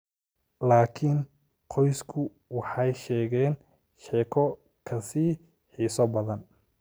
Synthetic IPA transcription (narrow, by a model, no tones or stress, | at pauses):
laːkʰɪn | qʰɔjskʰʊ | wɑħɑjʃɛːɣɛːn | ʃɛːkʰɔ | kʰɐsiː | ħiːsɔbɐðɐn